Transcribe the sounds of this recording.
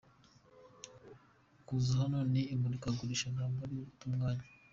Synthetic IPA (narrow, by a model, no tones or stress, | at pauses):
kuzaɦanoniːmbuɾikaɡuɾiʃazaːmbaɾejoβutuːŋɡaːɲe